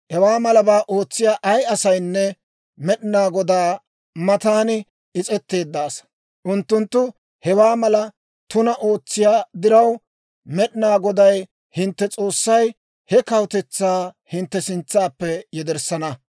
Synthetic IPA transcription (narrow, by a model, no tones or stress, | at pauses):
hɛwaːmɐlɐbaːʔoːt͡sːɪjaːʔɐjɐsɐjnːɛ | mɛɗɪnaːɡɔd̪aː | mɐt̪aːnɪ | ɪt͡sʼɛt̪ːe̞ːd̪ːaːs | ʔʊnt̪ːʊnt̪ːʊ | hɛwaːmɐlɐ | t̪ʊnɐʔo̞ːt͡sːɪjaːd̪ɪɾɐw | mɛɗɪnaːɡɔd̪ɐj | hɪnt̪ːɛt͡sʼo̞ːsːɐj | hɛkɐwt̪ɛt͡sːaːhɪnt̪ːɛsɪnt͡sːaːpːɛjɛd̪ɛɾsɐnɐ